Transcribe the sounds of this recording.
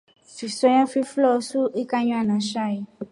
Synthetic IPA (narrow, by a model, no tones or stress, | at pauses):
fisɔjãfiflɔsuekaɲũanãʃai